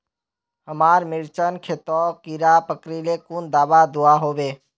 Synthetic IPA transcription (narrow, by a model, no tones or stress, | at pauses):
ɦəmaɾmɪɾt͡ʃənkʰet̪ɔkiɾapəkɾilekund̪aːbad̪uaɦobe